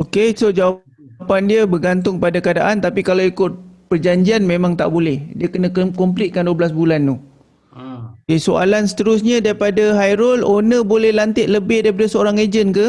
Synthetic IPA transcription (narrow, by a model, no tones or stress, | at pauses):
okesod͡ʒawa | pandiabərɡant̪̬ʊŋkəpadakadaʔant̪apikalawikʊt̪̚pərd͡ʒaɲd͡ʒianmẽmãŋt̪a̰ʔbolɛhdiakənãkɔmp̬lit̪̚kanduəblasbulant̪u | okesoa̰lansə̥t̪əɾʊs̬ɲãdaɾipadaɦajɾɔlonə̃bolɛhlant̪ɪʔ̪̚ləbɪhdaipadasəoɾaŋed͡ʒənka